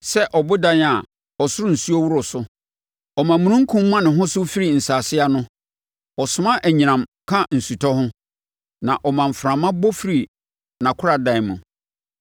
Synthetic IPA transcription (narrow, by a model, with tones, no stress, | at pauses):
sɛ˦ʔɔ˨bʊ˦dã˦n˦a˨ | ɔ˨sʊ˦ɾʊ˦n̩˨su˦ɔ˦wu˦ɾʊ˨sʊ˦ | ɔ˨mã˨mũ˨ɾũ˦ŋ̩˦kʰũ˦m˦mã˦nɪ̃˨ɦʊ̃˦sʊ˦fi˦ɾi˨n̩˨saː˨sɪ˦a˦nʊ̃˦ | ɔ˨sʊ˨mã˦ʔæ˨ɲĩ˨nã˨mkʰã˦n̩˨su˨tʰɔ˦hʊ̃˦ | nã˨ʔɔ˨mã˨ɱ̩˨fɾã˨mã˦bɔ˦fi˨ɾi˨ | nã˨kʰʊ˦ɾa˨dã˨mũ˨